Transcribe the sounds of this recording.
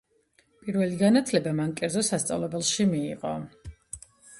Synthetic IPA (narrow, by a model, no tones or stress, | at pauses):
pʼiɾvɛliɡanat̪ʰlɛbamankʼɛɾdzɔsast̪sʼa̰vlɛbɛlˠʃimiːqʼɔ̰